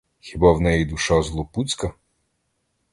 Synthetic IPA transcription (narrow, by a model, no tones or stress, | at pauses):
xʲibɑwnɛjid̪ʊʃɑzlˠɔput͡sʲkɐ